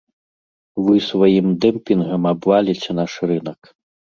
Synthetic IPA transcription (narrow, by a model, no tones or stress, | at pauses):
vɨsvajimd̪ɛmpʲinɣɐmabvalʲit͡sʲɛnaʂrɨnɐk